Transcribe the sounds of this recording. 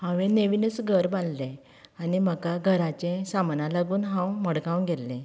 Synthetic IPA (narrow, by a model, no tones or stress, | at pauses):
hãʋẽneʋinəsɡʱəɾbãnd̪lẽ | animəkaɡʱəɾat͡ɕẽsamnãlaɡuːnɦãwməɽɡãwnɡelːẽ